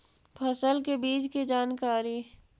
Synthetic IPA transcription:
pʰɐsəlkebiːd͡ʒkid͡ʒaːnkaːɾi

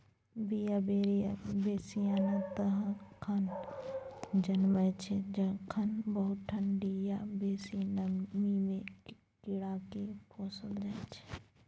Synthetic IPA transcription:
bijabeːɾijabeːsijanat̪ɐɦãkʰɐn | d͡ʒɐnmət͡ʃʰed͡ʒɐkʰɐnbəɦʊt̪̚ʈʰəɳɖijabeːsinəmimẽ | kːiɽakepʰoːsəld͡ʒat͡ʃʰe̥

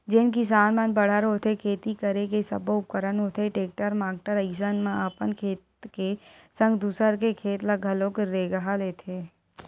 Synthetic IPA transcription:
d͡ʒɪnkisaːnmənbəɽ̤əɾɦot̪ʰekʰeːt̪ikəɾekesɐboʊp̚kəɾənɦot̪ʰeʈeːk̚ʈəɾmaːk̚ʈəɾəis̬ənmãaːpənkʰeːt̪kesɐ̃ŋɡd̪usəɾkekʰeːt̪laɡʱɐlõkeɾeːɡəɦaleːt̪ʰeː

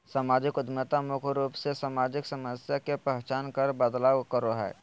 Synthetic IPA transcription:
samaːd͡ʒɪkʊd̪mət̪amʊkʰɾuːpsesaːmaːd͡ʒɪksəməsjakepɛɦt͡ʃaːnkəɾbəd̪laːwkəɾoɦɛ̰ː

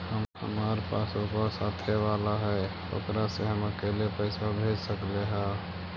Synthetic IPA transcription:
həmhə̰maːɾepaːsokasaːt̪ʰeʋaːlaɦɛ | o̰kɾaseɦəməkelepəɪsabʱeːd͡ʒsəkleɦɛ̃ː

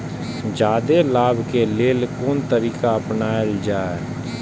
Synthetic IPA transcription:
d͡ʒaːd̪eːlaːbʱkeːleːlkoːnt̪əɾiːkaəpnaːɪld͡ʒaːɛː

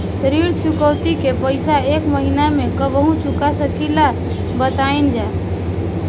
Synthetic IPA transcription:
ɾiɽt͡ʃukəwt̪ikepəɪsaekməɦinamekəbəɦũt͡ʃukasəkila | bət̪aind͡ʒa

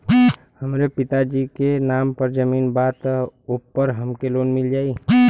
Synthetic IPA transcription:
həmɾepit̪ad͡ʒikenampəɾd͡ʒəmiːnbat̪opːəɾɦəmkelonmild͡ʒaːi

